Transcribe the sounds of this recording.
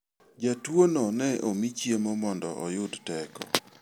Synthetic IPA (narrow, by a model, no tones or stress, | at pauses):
d͡ʒatwonɔnɛʔomit͡ʃjemomɔndɔ̰ʔɔjʊdtɛkɔ̰